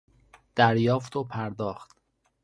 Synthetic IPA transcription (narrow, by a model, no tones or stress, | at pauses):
d̪̥æɾjɒːft̪ʰopʰæɾd̪ɒːxt̪